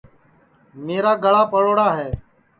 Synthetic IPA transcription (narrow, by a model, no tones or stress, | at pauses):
meːɾaːɡəɭaːpəɽoːɽaːɦɛː